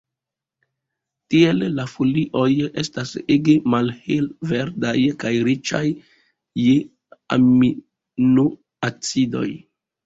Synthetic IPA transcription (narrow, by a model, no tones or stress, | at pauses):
tie̞lːafuliʔo̞je̞staseɡemalhelve̞ɾdajkajɾit͡ʃa̰jː | e | a̰mi | nu | at͡sido̞̰j